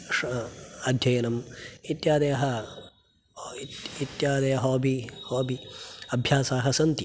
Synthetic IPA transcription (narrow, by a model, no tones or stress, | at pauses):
ʂɐd̪ʱjɐjɐnɐmit̪jaːd̪ɐjɐɦɐ | it̪jaːd̪ɐjɐɦoːbihoːbʱiɐbʱjaːsaːɦɐsɐnt̪i